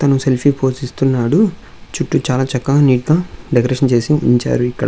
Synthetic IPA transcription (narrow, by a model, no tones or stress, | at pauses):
t̪ɐnuse̞lpʰipʰo̞ːsist̪unːaːɽu | t͡ʃuʈːut͡ʃaːlaːt͡ʃɐkːɐniːʈ̚ɡaːɖekɾeːʂɐnt͡ʃe̞ːsiḭɲt͡ʃa̰ːɾuikːɐɽɐ